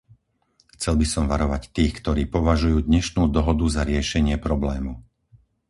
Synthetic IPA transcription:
xt͡sɛlbisɔmʋaɾɔʋact̪iːxkt̪ɔɾiːpɔʋaʒujuːd̪ɲɛʃnuːd̪ɔɦɔd̪uzaɾɪɛʃɛɲɪɛpɾɔblɛːmu

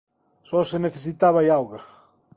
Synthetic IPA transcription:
sɔseneθes̬it̪aβajawɣɐ

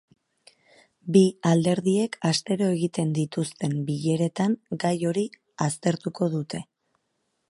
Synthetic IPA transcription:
biald̪e̞ɾðie̞kast̪e̞ɾo̞e̞ɣit̪e̞nd̪it̪ust̪e̞mbiʎe̞ɾe̞t̪aŋɡajo̞ɾi | ast̪e̞ɾt̪uko̞ðut̪e̞

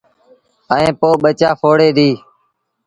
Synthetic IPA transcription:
əẽːpoːɓət͡ʃaːfʰoːɽeːɗ̪iː

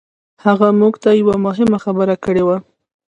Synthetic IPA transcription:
haɣamuɡt̪ajawamʊɦɪmaxabəɾakəɽewa

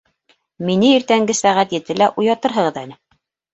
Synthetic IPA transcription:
minɘiɾt̪æŋɡɘsæʁæt̪jɘ̆t̪ɘlæʔujɑt̪ɤɾɦɤ̆ʁɤ̆ðænɘ

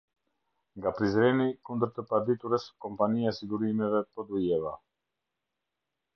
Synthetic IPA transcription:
ŋɡapɾizɾɛnikund̪əɾt̪əpad̪it̪uɾɛskɔmpaniaɛsiɡuɾimɛvɛpɔd̪ujɛva

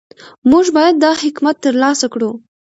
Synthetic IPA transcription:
muʒbɑjad̪ːɑhɪkmat̪ːəɾlɑsakɽu

